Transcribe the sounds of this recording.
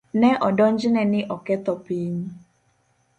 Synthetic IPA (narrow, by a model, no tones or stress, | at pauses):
nɛʔɔdɔɲd͡ʒɪnɛnɪʔɔkɛt̪ɔpiɲ